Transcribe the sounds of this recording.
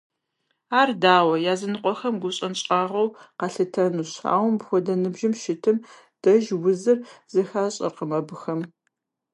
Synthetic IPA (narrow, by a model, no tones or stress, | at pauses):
aːrdaːwɐjaːzɨnɨqʷʼɔxɐmɡʷʊɕʼɐnɕʼaːʁɐwqɑɬɨtʰɐnuɕa̰ːwmbxʷɔdɐnɨbʒɪmʃɪtʰɨm | d̥ɐʒwʊzɨrz̥ɨxaːɕʼɐ̰rqəmɐbɨxɐm